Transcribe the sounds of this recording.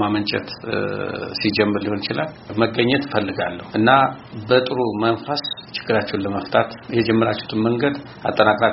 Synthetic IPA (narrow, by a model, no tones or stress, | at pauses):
mamənt͡ʃʼɛ̰t̪ | sid͡ʒɛmːɨɾlihonɪt͡ʃɪlal | məɡəɲːɛt̪fəlːɨɡalːəhuʔɨnːabət̪ʼɨɾumənfast͡ʃɪ̥ɡ̥ːɨɾat͡ʃːɛhunləməft̪ʰat̪jɛd͡ʒɛmːəɾat͡ʃːɛhut̪ʰɨmməŋɡəd̪ | a̰t̪ʼːənakʼɾa